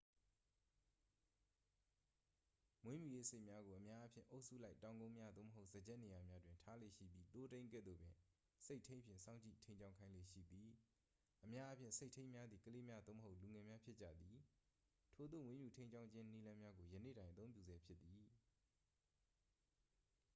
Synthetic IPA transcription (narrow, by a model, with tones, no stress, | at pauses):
mwẽ˦mju˨jḛ˦˨se˦ɪʔmja˦ɡo˨ʔə˨mja˦ʔa˦pʰjɪ̰̃˦˨ʔo˦ʊʔsṵ˦˨la˦ɪtːã˨ʊ̃ŋɡõ˦ʊ̃mja˦d̪o̰˦˨məɦo˦ʊz̥ə˨d͡ʑɛ˦ʔne˨ja˨mja˦dwɪ̃˨ntʰa˦lḛ˦˨ʃḭ˦˨bji˦t̪o˦tẽ˦ɪ̃ŋɡɛ̰˦˨d̪o̰˦˨bjɪ̃˨ | se˦ɪʔtʰẽ˦pʰjɪ̰̃˦˨sã˦˨ʊ̃ɲt͡ɕḭ˦˨tʰẽ˦ɪ̃ɲt͡ɕã˦ʊ̃kʰa˦ɪ̃lḛ˦˨ʃḭ˦˨d̪i˨ | ʔəmja˦ʔa˦pʰjɪ̰̃˦˨nse˦ɪtʰẽ˦ɪ̃mja˦d̪ði˨kəle˦mja˦d̪o̰˦˨məɦo˦ʊʔlu˨ŋɛ˨mja˦pʰjɪ˦t͡ɕä̰˦˨d̪ði˨ | tʰo˨d̪o̰˦˨wɪ̃˦mju˨tʰẽ˦ɪɲd͡ʑã˦ʊ̃ɲd͡ʑʰɪ̃˦ni˦lã˦mja˦ɡo˨jə˨nḛ˦˨ɾã˨ɪʔət̪õ˦ʊ̃pjṵ˦˨zɛ˦pʰjɪ˦t̪̚ːi˨